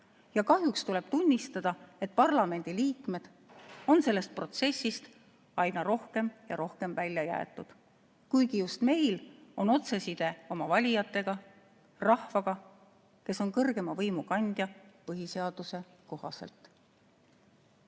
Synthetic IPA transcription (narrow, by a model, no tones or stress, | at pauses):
jɑkɑhjukst̪ule̞b̥̚t̪unʲːist̪ɑd̪̥ɑe̞t̪̚ːˑpɑrlɑme̞nʲd̪̥iliːkme̞d̪̥ | o̞nse̞lːe̞st̪̚pro̞t̪se̞sːist̪ | ɑjnɑɾo̞hke̞mjɑɾo̞hke̞mvælʲjɑjæ̰ḛt̪ːˑud̪̥ | kujɡ̥ijust̪me̞jlo̞no̞t̪se̞sid̪̥e̞o̞mɑvɑlʲijɑt̪ːˑe̞ɡ̥ɑ | rɑhvɑɡ̥ɑ | ke̞so̞nkɤrɡe̞mɑvɤjmukɑnʲd̪̥jɑpɤɦise̞ɑd̪̥use̞ko̞hɑ̰selt̪